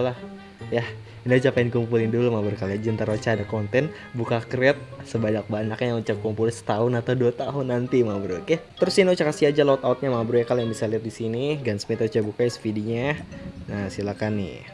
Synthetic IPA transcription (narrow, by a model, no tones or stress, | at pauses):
lah | jah | iniut͡ʃapaɪnkumpulɪndulumabɾukalad͡ʒənt̪əɾot͡ʃaːdakɔnt̪ɛn | bukakrɛt̪̚səbaɲak̚baɲakɲaaŋut͡ʃakumpulsə̥t̪aʊnat̪aduat̪aɦʊnːant̪imabɾuket̪əɾʊsiniut͡ʃakasiad͡ʒalat̪awut̪̚ɲamabɾujakaljaŋbisaliat̪̚disiniɡansmit̪rut͡ʃabukajasə̥fidiɲanasilakanːɪ̰